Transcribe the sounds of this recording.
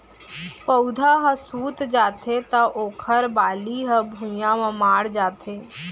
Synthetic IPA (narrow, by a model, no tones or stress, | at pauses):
pəwd̪ʱaɦəsuːt̪d͡ʒaːt̪ʰet̪ɐʔoːkʰəɾbaːliɦə̃bʱũjãmə̃maːɽd͡ʒaːt̪ʰeː